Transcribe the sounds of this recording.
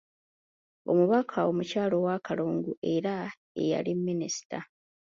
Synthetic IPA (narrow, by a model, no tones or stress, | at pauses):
o̞muβakʰao̞mucaːlo̞wakaloːŋɡuʔe̞ɾa | e̞̰ja̰limːinisi̥ta